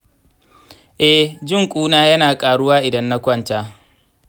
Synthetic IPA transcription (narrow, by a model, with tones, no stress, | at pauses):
ʔɛ˦d͡ʒɪ˦ŋkʷʼuː˦naː˦jɐ˦naː˨kʼaː˨ɽʊ˦waː˦ʔɪ˨dɐ˦nːa˦kʷɐ˦˨ntaː˦